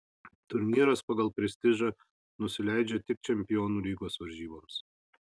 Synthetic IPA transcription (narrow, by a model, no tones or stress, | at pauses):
t̪ʊɾʲnʲiːɾɐspɐɡɐlˠpʲɾʲɛsʲt̪ʲɪʒɐ | nʊsʲɪlʲæɪd͡ʒʲɛt̪ʲɪk̚t͡ʃʲɛmʲpʲɪjoːnuːlʲiːɡoːsʋɐɾʲʒʲiːbɐms